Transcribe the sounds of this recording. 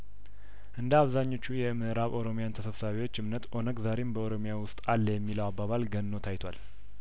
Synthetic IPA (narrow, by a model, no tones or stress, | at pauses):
ʔɨnd̪əaβzaɲːo̞t͡ʃːujɛmɨʔɨɾaβowɾo̞mijant̪ʰəsəβsaβewo̞t͡ʃːɨmnət̪ʼʔo̞nəɡzaɾembəoɾo̞mijawʊst̪ʼalːjɛmːiləwabːaβalɡənːo̞t̪ʰajt̪ʰwal